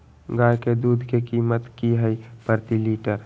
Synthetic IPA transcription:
ɡaːjked̪uːd̪ʱkekiːmət̪kiɦəipəɾt̪iliːʈəɾ

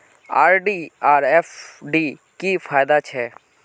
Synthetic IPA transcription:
aːɾɖiːaːɾefɖiːkifʰaːjd̪at͡ʃʰɛ

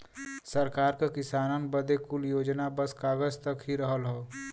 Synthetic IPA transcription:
səɾkaːɾkakɪsaːnənbəd̪ekʊljoːd͡ʒnabəskaːɡəd͡ʒt̪ɐkɦiɾəɦəlɦoː

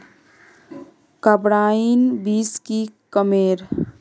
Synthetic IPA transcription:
kəbɽainbiskikəmeɾ

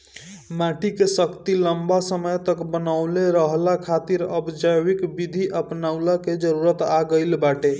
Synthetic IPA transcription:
maʈikesəkt̪iləmbasəməjt̪əkbənaʊleɾəɦlakʰat̪iɾəbd͡ʒəjwikbid̪ʱiʔəpnaʊlaked͡ʒəɾuɾət̪aɡəɪlbaʈe

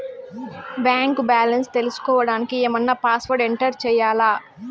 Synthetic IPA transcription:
bjaːŋkbaːlɐnst̪e̞lusu̥kɔːʋɐɽaːnikiɛːmɐnːɐpaːsʋɐɾɖeɳʈɐɾt͡ʃɛːjaːlaː

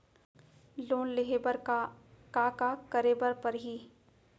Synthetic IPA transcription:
loːnleɦeəɾ | kaːkakəɾeːbəɾpɐɾɦiː

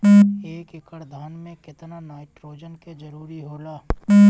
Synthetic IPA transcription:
eːkɪkəɾd̪ʱaːnmẽkɪt̪nanaːɪʈɾoːd͡ʒənked͡ʒɐɾuːɾiɦoːlaː

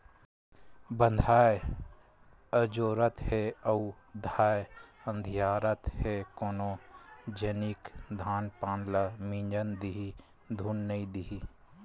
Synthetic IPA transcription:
bə̃nd̪ʱaːe | əd͡ʒoːɾət̪heəu | d̪ʱaːjeə̃nd̪ʱjaːɾət̪ɦekoːnod͡ʒənikd̪ʱaːnpaːnləmĩːɲd͡ʒənd̪iɦi | d̪ʱuːnːəĩd̪iɦi

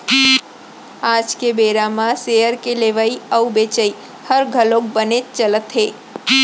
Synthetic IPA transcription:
ad͡ʒkebeɾamãsejəɾkeleʋaiəwbet͡ʃəi | həɾɡʱəlok̚bənet͡ʃələt̪ɦe

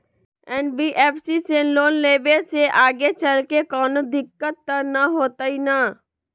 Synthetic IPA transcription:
ɛːnbiʔɛːpʰsiseloːnleːbeseʔaːɡet͡ʃəlkekɔːnod̪ʱɪkːət̪ːənaɦoːt̪aina

